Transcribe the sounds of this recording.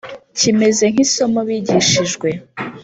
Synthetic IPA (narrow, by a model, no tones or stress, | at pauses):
cime̞ze̞ŋ̥hiso̞moβiːɟiʃiʒɡwe̞